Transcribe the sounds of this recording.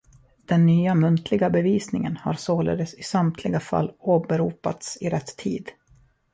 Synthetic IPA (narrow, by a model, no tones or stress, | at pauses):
d̪̥ɛnːyːamɵnt̪ʰlɪɡabɛviːsnɪŋənha̰ɾsoːlḛːd̪əsɪsamt̪ʰlɪɡafa̰lːoːbɛɾuːpa̰t̪sɪɾɛt̪ʰːḭːd̪